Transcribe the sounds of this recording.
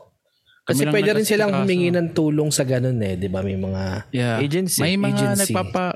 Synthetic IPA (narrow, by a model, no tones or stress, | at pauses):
kɐsɛpwɛːd̪ɛɾɪnsɪlaɐŋhʊmɪŋinɐŋt̪uːlo̞ŋsɐɡɐno̞nɛd̪ɪbamɐjmɐŋajaed͡ʒɛnsɐjmɐŋd͡ʒɛnɐɡipapa